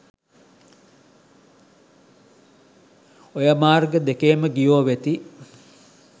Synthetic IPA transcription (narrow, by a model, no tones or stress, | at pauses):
ojəmaːrɡəd̪ekeːməɡijoːʋet̪i